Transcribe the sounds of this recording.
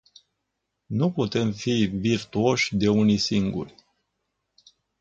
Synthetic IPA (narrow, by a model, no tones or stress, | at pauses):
nuput̪e̞mfivirt̪uo̞ʃʲd̪e̞unisiŋɡṵrʲ